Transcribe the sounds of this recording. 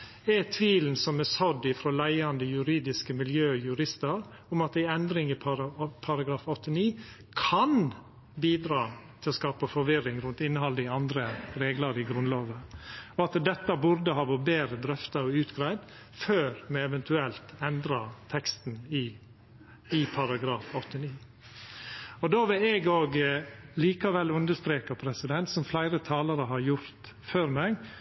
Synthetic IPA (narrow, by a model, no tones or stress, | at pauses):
ɛt̪ʰʋiːln̩sɔmɛsɔd̪ɪfɾoːlæɪɑnd̪əjʉɾiːd̪ɪskəmɪljøːjʉɾɪst̪əɾ | ʊmɑt̪æɪɛnd̪ɾɪŋɪpʰɑɾpʰɑɾɑɡɾɑːfɔt̪ʰːəniː | kʰɑn | biːd̪ɾɑːt̪ʰɪlɔskɑːpəfɔɾʋɪɾːɪŋɾʉnt̪ɪnːəhɑləɪɑnd̪ɾəɾeːɡləɾɪɡɾʉnloːʋəɔɑt̪d̪ɛt̪ːəbʊɾd̪əhɑːʋoːɾbeːɾəd̪ɾœft̪ɑɔʉːt̪ɡɾæɪd̪ | føːɾmɛɛʋɛnt̪ʉɛlt̪ɛnd̪ɾɑt̪ʰɛkst̪n̩ɪ | ɪpʰɑɾɑɡɾɑːfɔt̪ːəniː | ɔd̪oːʋɪlɛɡoːɡliːkɑʋɛlːʉnd̪əst̪ɾeːkɑpʰɾɛsɪd̪ɛnt̪sɔmflæɪɾət̪ʰɑːləɾəɦɑɾjʊɾt̪ | føːɾmɛɡ